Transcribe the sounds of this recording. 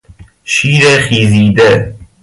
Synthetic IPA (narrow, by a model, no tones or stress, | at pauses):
ʃiːɾexiːziːd̪e